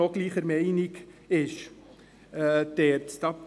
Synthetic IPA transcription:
ɔɡ̥liːχəɾmɛɪniɡɪʃ | əd̪̥ɛɾtt̪ɑ

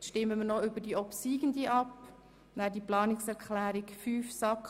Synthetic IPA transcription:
ʃtɪmːəmənɔʏbədiɔpsiːɡ̥ən̩diʔɑp | nædiplɑːnɪksɛʁkʰχlæːɾɪkfyːfsɑk

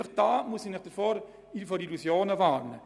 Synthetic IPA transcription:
əχd̥aːmusinɪχd̥əɾfoːɾ | ifɔɾilusjoːnəvaːɾnə

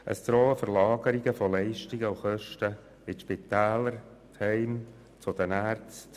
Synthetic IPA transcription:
ʔə̰stɾoːəfəɾlɑːɡəɾɪɡəfɔlɛɪʃtɪɡəuxœʃtə | ɪtʃpit̪æːləɾ | t̪hɛɪm | t͡sʊd̥̪ənæːɾt͡st

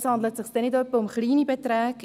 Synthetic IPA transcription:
shɑndlətsɪχsd̥ɛnɪdœpːəʊmχliːnibɛtræːk

